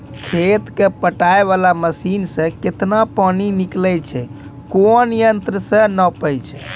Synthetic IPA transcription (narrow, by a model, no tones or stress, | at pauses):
kʰet̪kepəʈaeβalaməsinsə̃ket̪napaniniklɛjt͡ʃʰɛkonjənt̪ɾəsə̃nəpəjt͡ʃʰɛ